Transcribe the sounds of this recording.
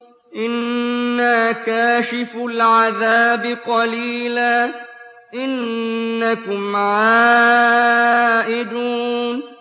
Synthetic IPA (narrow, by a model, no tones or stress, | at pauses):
ʔɪnːaːkaːʃɪfalʕaðaːbɪqɑliːlaː | ʔɪnːakʊmʕaː | ʔɪd̪uːn